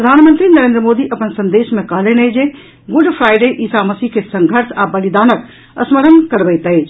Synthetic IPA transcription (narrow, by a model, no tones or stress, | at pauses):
pɾəd̪ʱanmənt̪ɾinəɾeːnd̪ɾəmod̪iʔəpənsə̃nd̪esmekəɦlened͡ʒe | ɡuɖpʰɾajɖeʔisaməsiɦkesəŋɡʱəɾsabəlid̪aːnək | ə̰sməɾənkəɾbəjt̪əjt͡ʃʰ